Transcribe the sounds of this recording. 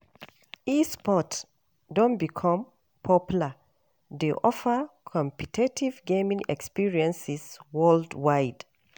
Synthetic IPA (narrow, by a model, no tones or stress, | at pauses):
ispɔt | dɔ̃nbikʰɔ̃m | pʰɔpjulə | deʔɔfəkʰɔ̃mpitʰetʰivɡẽmĩŋɛ̰kspiɹiɛ̃nsiswɜldwaɪd̥